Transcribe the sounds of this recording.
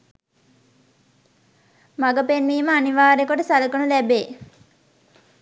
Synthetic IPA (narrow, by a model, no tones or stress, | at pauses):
maɡəpenʋiːməaniʋaːɾejkoʈəsaləkənulæbeː